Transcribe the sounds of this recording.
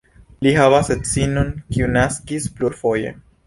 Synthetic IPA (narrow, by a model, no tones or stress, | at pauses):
lihavaset͡sinonkiunaskispluɾfo̞je̞̰